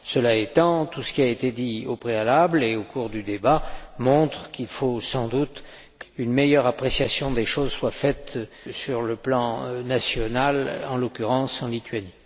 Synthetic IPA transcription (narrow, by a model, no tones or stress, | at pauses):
səlaet̪ɑ̃t̪usə̥kʲiaet̪ed̪iopχealableokuʁd̪yd̪ebamɔ̃t̪χəkilfosɑ̃d̪ut̪ | kynmejœʁapχesjasjɔ̃d̪eʃozswafɛt̪ | syʁləplɑ̃nasjɔnalɑ̃lɔkʲyʁɑ̃sɑ̃lit̪ɥani